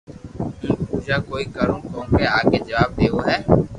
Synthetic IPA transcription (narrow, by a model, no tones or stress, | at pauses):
ɦʊuːd͡ʒaːkoːiːkəɾũːkõːkeaːked͡ʒəʋaːb̚d̪eːoːɦɛː